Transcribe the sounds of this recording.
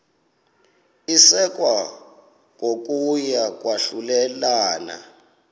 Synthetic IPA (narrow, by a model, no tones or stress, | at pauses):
isɛk̬ʼwa | ŋok̬ʼujak̬ʼwaɬulɛlaːna̰